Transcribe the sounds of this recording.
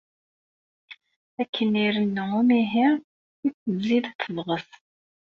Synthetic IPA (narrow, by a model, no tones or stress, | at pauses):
ækʰːəniɾənːəʊmiɦiʁ | ikːəvziðæt͡s̪ːəðˤʁəs